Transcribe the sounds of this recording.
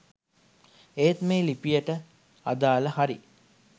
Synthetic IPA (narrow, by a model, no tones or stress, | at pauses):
eːt̪meːlipijəʈə | a̰d̪aːləhaɾḭ